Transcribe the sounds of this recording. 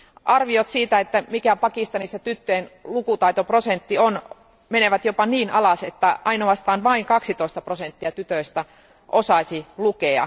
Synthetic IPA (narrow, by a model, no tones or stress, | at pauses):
ʔɑrʋiot̪siːt̪æet̪ːæmikæpɑkist̪ɑnisːɑt̪yt̪ːøenlukut̪ɑit̪oprosent̪ːion | meneʋæt̪jopɑniːnɑlɑset̪ːæʔɑinoɑst̪ɑːnʋɑiŋkɑksit̪oˑist̪ɑprosent̪ːiɑt̪yt̪øist̪æ | ʔosɑisilukeɑ̰